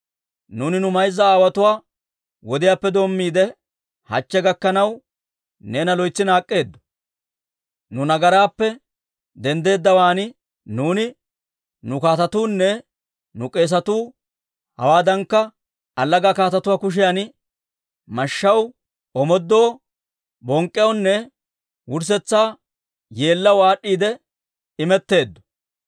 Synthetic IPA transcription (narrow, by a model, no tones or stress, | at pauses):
nuːnɪnʊmɐjzːɐaːwɐt̪ʊwaː | wɔd̪ɪjaːpːɛd̪o̞ːmːiːd̪ɛ | hɐ̰t͡ʃːɛɡɐkːɐnɐw | ne̞ːnɐlɔjt͡sːɪnaːkʼːe̞ːd̪ːɔ̥ | nʊnɐɡɐɾaːpːɛ | d̪ɛnd̪e̞ːd̪ːɐwaːn | nuːnɪ | nʊkaːt̪ɐt̪uːnːɛ | nʊkʼe̞ːs̬ɐt̪uː | hɐwaːd̪ɐŋkːɐ | ɐlːɐɡakaːt̪ɐt̪ʊwaːkʊʃ̬ɪjan | mɐʃːɐw | ʔɔmɔd̪ːo̞ː | bɔŋkʼːɛjɔnːɛ | wʊɾs̬ɛt͡sːaː | je̞ːlːɐwaːɗːiːd̪ɛ | ɪmɛt̪ːe̞ːd̪ːɔ̥